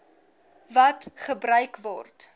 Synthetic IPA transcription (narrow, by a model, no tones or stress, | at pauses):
vɐtχəbɾœɥkvɔ̰rt